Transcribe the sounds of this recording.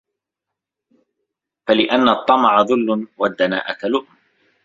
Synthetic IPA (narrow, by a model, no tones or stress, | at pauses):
falɪʔanːat̪ˤːɑmɑʕɑðˤʊlːʊwad̪ːana̰ːʔat̪alʊʔm